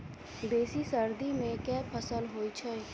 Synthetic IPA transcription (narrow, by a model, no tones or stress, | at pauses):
d̪eːsisəɾd̪imẽkɛːpʰəsəlɦoːit͡ʃʰɛ